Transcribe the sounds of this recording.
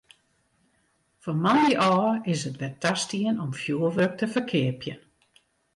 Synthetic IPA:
fɔmanjəʔɔːɪsətʋɛtastiənɔmfjuəʋøk̚təfərkʰɪəpʰjə

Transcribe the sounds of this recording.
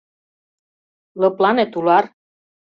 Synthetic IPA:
lɤplɑnet̪ulɑr

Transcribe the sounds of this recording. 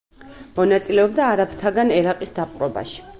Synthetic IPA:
mɔnat̪sʼilɛɔbd̪aːɾapʰt̪ʰaɡanɛɾaqʼisd̪apʼɾɔba̰ʃi̥

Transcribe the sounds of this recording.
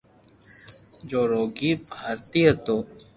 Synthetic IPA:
d͡ʒoːɾoːɡibʱaːɾt̪ijɐt̪oː

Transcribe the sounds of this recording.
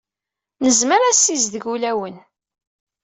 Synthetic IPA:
nəzməɾæsːizðəʝulæwən

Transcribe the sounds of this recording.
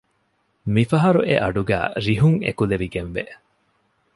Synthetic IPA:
mifɐɦɐɾuʔḛʔɐɖuɡæ̰ːɾiɦuŋḛkuleʋiɡenʋeʔ

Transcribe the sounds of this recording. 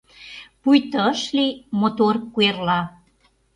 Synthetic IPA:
pujt̪ə̆əʃlimot̪orkuerlɑ

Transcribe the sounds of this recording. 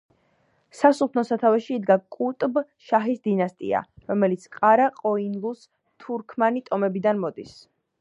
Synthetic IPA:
sasup̪ʰnɔsat̪ʰavɛʃiːd̪ɡakʼut̪ʼb | ʃaɦisd̪inast̪ʼḭa̰ɾɔmɛlit̪sʰqʼaɾaqʼɔinlˠus | t̪ʰuɾkʰmanit̪ʼɔmɛbid̪anmɔd̪is

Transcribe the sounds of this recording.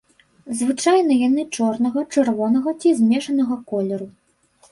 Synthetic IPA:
zvɨt͡ʂajn̪ɐjanɨt͡ʂɔrnɐɣɐt͡ʂɛrvɔnɐɣɐt͡sʲizʲmʲɛʂɐnɐɣɐkɔlʲɛɾu

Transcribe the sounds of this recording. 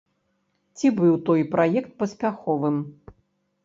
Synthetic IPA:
t͡sʲibɨwt̪ɔjpɾajɛkt̪̚pɐsʲpʲaxɔvɨm

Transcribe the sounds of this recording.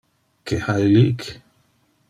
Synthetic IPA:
kehailiʔk

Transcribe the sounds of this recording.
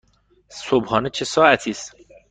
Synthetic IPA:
sobhɒːnet͡ʃʰesɒːæt̪ʰiːs

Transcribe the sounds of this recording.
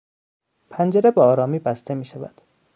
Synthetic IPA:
pʰænd͡ʒeɾebeɒːɾɒːmiːbæst̪e̞miːʃævæ̰d̪̥

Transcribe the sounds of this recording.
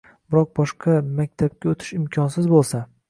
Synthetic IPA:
bɪɾɒq̚bɒʃqʰɑmak̚ʲt̪ʰap̚kʲaot̪ʰɪ̥ʃɪmkʲʰɒnsɪzbolˠsa

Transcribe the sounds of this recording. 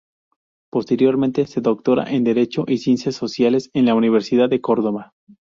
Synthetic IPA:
po̞st̪e̞ɾjo̞ɾmẽnt̪e̞se̞ðo̞k̚t̪o̞ɾa̰ʔe̞nd̪e̞ɾe̞t͡ʃo̞ʔisjensasːo̞sjale̞se̞nlauniβ̞eɾsiðaðːe̞ko̞ɾðo̞βa

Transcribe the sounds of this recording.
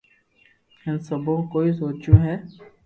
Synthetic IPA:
ɛ̃nsəbokoːisoːt͡ʃũɦɛː

